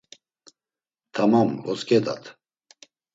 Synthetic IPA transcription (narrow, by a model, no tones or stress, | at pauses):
t̪ʰamamvɔskʼɛd̪a̰t̪ʰ